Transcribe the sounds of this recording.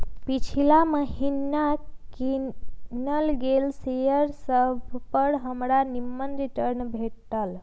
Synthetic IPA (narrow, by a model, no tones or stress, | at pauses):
pit͡ʃʰilaməɦinakinəlɡelsejəɾsəbʱpəɾɦəmɽanimːənɾiʈəɾnbʱeʈʈəl